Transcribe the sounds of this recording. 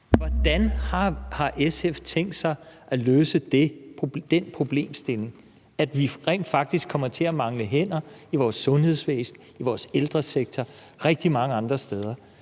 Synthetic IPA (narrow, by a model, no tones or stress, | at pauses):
ʋɒd̥ænhɑhɑ̈ʔeseft͡sʰeŋ̰ɡd̥sɑ̈ɪʔæløːsəd̥ed̥enpʰʁo̝b̥le̝̰ːmsd̥e̝le̝ŋ | æd̥ʋiʁɛ̰ːnd̥fɑ̈ɡ̥̚d̥isɡ̥kʰɒ̽m̰ɐt͡sʰe̝æmɑ̈ŋləɦen̰ɐiʋɒːsːɔ̽nhe̝ð̞̰ˠsʋḛːsn̩ | iʋɒːseld̥ʁɐseɡ̥̚t͡sʰɒ | ʁɛɡ̥̚d̥imɑ̈ŋəɑ̈nd̥ʁɐsd̥eð̞ˠɐ